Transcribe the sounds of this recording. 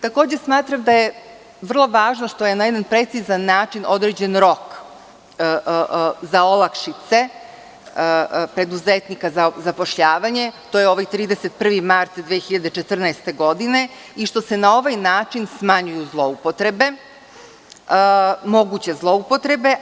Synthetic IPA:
t̪ako̞ːd͡ʑesmaːt̪ɾamd̪aje̞ | ʋr̩lˠo̞ʋaːʒnoʃt̪o̞je̞najed̪anpɾe̞t̪sizanːaːt͡ʃino̞d̪ɾed͡ʑe̞nɾo̞kː | zao̞lˠakʃit̪se̞ | pɾe̞d̪uzet̪nikazazapo̞ʃʎaːʋaɲe̞t̪oːjeo̞ʋajt̪ɾiːd̪eset̪̚pr̩ʋimaɾt̪d̪ʋeexiʎad̪et͡ʃe̞t̪r̩naest̪e̞ɡo̞d̪ine̞ | iʃt̪o̞se̞nao̞ʋajnaːt͡ʃinsmaɲujuzlˠo̞upo̞t̪ɾe̞be̞ | mo̞ɡut͡ɕe̞zlˠo̞upo̞t̪ɾe̞be̞

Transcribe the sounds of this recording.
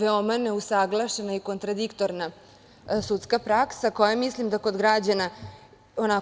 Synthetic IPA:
ʋeomane̞usaɡlˠaʃenaiko̞nt̪ɾad̪ikt̪o̞ɾna | sut̪skapɾaksako̞jamislimd̪ako̞d̪ɡɾad͡ʑana | ona

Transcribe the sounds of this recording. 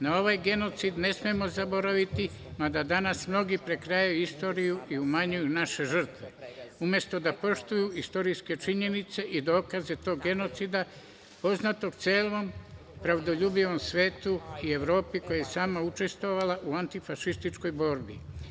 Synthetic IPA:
nao̞ʋajɡe̞no̞t̪sid̪ne̞smemo̞zabo̞ɾaʋit̪i | mad̪ad̪anasmno̞ɡipɾe̞kɾajauist̪o̞ːɾijuʔiumaɲujunaʃe̞ʒr̩t̪ʋe̞umje̞st̪o̞d̪apo̞ʃt̪ujuist̪o̞ɾijske̞t͡ʃiɲe̞nit̪se̞ʔid̪o̞ːkaze̞t̪o̞ːɡɡe̞no̞t̪sid̪a | po̞znat̪o̞ɡt̪seːlʋo̞m | pɾaʋd̪o̞ʎuːbiʋo̞msʋe̞ːt̪uie̞ʋɾo̞ːpiko̞jajesaːmaut͡ʃe̞st̪ʋoʋalaʔuant̪ifaʃist̪it͡ʃko̞jbo̞ːɾbḭ

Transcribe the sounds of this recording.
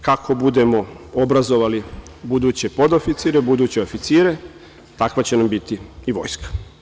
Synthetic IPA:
kakʰo̞bud̪e̞mo̞o̞bɾazo̞ʋalibud̪uːt͡ɕe̞po̞d̪o̞fit̪siːɾebud̪uːt͡ɕeofit̪siːɾe̞ | t̪akʋat͡ɕe̞nambit̪iiʋo̞̰jskḁ

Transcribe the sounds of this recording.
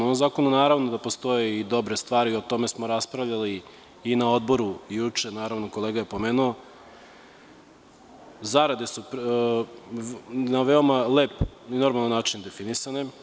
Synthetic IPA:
oomzaːko̞nunaːɾaʋnod̪apo̞st̪o̞jeid̪o̞bɾe̞st̪ʋaːɾio̞t̪o̞me̞smo̞ɾaspɾaʋʎʲaliː | nao̞d̪bo̞ɾujut͡ʂe̞naːɾaʋno̞ko̞lˠe̞ːɡaje̞po̞meːnuo | zaɾad̪e̞sup | naʋeomaleːpino̞ɾmalˠanːaːt͡ʃind̪e̞finisane̞

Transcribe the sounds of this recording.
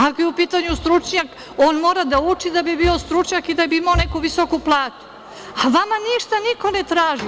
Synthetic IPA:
akojeupiːt̪aɲust̪ɾut͡ʃɲak | o̞ːnmoːɾad̪aut͡ʃid̪abibio̞st̪ɾut͡ʃɲakid̪abiimaonekuʋiso̞kuplˠaːt̪u̥ | aʋamaniʃt̪aniko̞net̪ɾaːʒi

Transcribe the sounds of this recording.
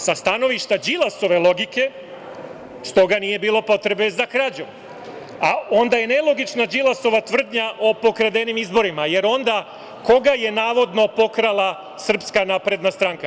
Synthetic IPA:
sast̪ano̞ʋiʃt̪ad͡ʒilˠaso̞ʋe̞lˠo̞ɡike̞ | st̪o̞ɡanije̞biːlˠo̞po̞t̪ɾe̞be̞zakɾad͡ʑu | ao̞nd̪aje̞ne̞lˠo̞ɡit͡ʃnad͡ʒilaso̞ʋat̪ʋr̩d̪ɲaʔo̞po̞kɾad̪e̞nimizbo̞ɾimaje̞ɾo̞nd̪a | ko̞ɡaje̞naːʋo̞d̪no̞po̞kɾalˠa | sr̩pskanaːpɾe̞d̪nast̪ɾaŋka

